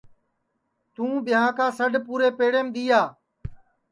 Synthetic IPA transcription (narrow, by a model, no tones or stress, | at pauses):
t̪ũːɓɪjãːkãːsəɖʱpuːɾeːpeːɽeːmd̪iːaː